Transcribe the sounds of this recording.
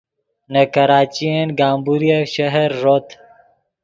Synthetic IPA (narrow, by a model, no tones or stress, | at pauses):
nakɐɾaːt͡ʃienɡaːmbuɾjaʃɐɦəɾːot̪